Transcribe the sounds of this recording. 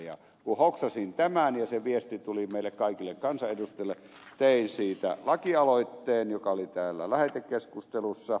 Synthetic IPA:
jɑ̰ | kuhoksɑsint̪æmænjɑseʋiest̪it̪ulimeˑilːekkɑˑikilːekkɑnsɑʔedust̪ˑelːe | t̪eˑinsiːt̪æ̰lɑkiɑloˑit̪ːeːnjokɑolit̪æːlːæ̰læhet̪ekkeskust̪elusːɑ

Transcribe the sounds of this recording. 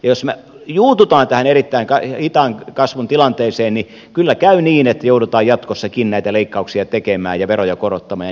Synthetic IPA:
jɑjosme | juːt̪ut̪ɑːnt̪æhænerit̪ːæiŋkɑhit̪ɑŋkɑsʋunt̪ilɑnt̪eːseːnni | kylːækæyniːnet̪ːæjoudut̪ɑːjjɑt̪kosːɑkinnæit̪æleikːɑuksiɑt̪ekemæ̰ːjjɑʋerojɑkorot̪ːɑmɑːj

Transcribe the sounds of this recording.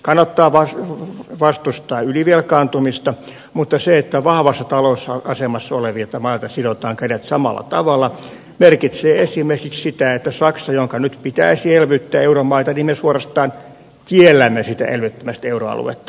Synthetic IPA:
kɑnːɑt̪ːɑːʋɑsʋɑst̪ust̪ɑːyliʋielkɑːnt̪umist̪ɑ | mut̪ːɑseet̪ːæʋɑhʋɑsːɑt̪ɑloːsːɑɑsemɑsːɑoleʋiɑt̪ɑmɑilt̪ɑsidot̪ɑːŋkædet̪sɑmɑ̰lːɑ̰t̪ɑʋɑlˑːɑ | merkit̪seːesimerkikssit̪æet̪ːæsɑksɑjoŋkɑnyt̪pit̪æisielʋyt̪ːæːeuromɑit̪ɑnimmesuorɑst̪ɑːn | kielːæmːesit̪æ̰ʔḛlʋyt̪ːømæst̪euroɑ̰lṵḛt̪ːɑ̥

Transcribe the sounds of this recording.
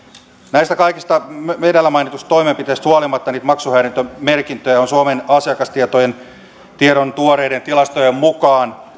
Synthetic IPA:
næist̪ækɑikist̪ɑmedælːæmɑinit̪ust̪t̪oimempit̪eist̪huɑlimɑt̪ːɑniːt̪mɑksuhæːɾint̪ømerkint̪øjɑonsuomenɑsiɑkɑst̪iet̪ojen | t̪ieɾont̪uoɾeident̪ilɑst̪ojemmukɑːn

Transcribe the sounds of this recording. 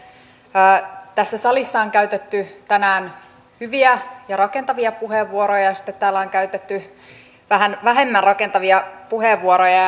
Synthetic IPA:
t̪æsːæsɑlisːɑoŋkæyɥt̪et̪ːyt̪ænæːn | hyʋiæjɑrɑkent̪ɑʋiɑpuheʋːuoɾojɑɑsi̥t̪ːet̪tæːlːæoŋkæyt̪et̪ːy | ʋæɦænʋæɦe̞mːænrɑke̞nt̪ɑʋiɑpuheʋːuoɾojɑ

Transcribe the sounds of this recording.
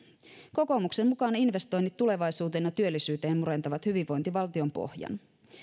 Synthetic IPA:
ko̞ko̞mukse̞mmukɑːninʋe̞st̪o̞jnːit̪ːule̞ʋɑjsuːt̪enɑt̪yølːisyːt̪e̞ːnmuɾe̞nt̪ɑʋɑt̪hyʋiʋːo̞jnt̪iʋɑlt̪io̞mpo̞̰hjɑ̰n

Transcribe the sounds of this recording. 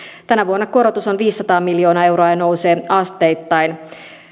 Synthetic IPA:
t̪ænæʋuonːɑko̞ɾot̪usonʋiːsːɑt̪ɑːmiljo̞ːnɑːe̞wɾoɑːjɑno̞wse̞ːɑst̪e̞jt̪ːɑjn

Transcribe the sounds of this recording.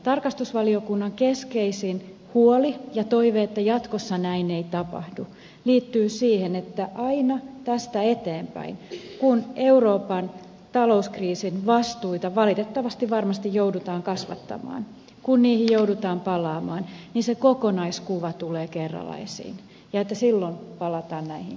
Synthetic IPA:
t̪ɑrkɑst̪usʋɑliokunːɑŋkeskeisin | huolijɑt̪oiʋeet̪ːæjɑt̪kosːɑnæineit̪ɑpɑ̰hdu | liːt̪ːyːsiːhenet̪ːæʔɑinɑt̪æst̪æet̪eːmpæ̰inkune̞uroːpɑn | t̪ɑlouskriːsinʋɑst̪uit̪ɑʋɑlit̪et̪ːɑʋɑst̪iʋʋɑrmɑst̪ijjoudut̪ɑːŋkɑsʋɑ̰t̪ːɑ̰mɑ̰ːn | kunniːhijjoudut̪ɑːmpɑlɑːmɑːnninsekokonɑiskuʋɑt̪uleːkerːɑ̰lɑ̰isḭːn | jɑet̪ːæsilːonpɑlɑt̪ɑːnnæihin

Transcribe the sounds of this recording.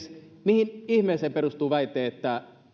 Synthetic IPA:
s | mihinihmeːˑseːperust̪uːʋɑit̪ˑeːet̪ːæ

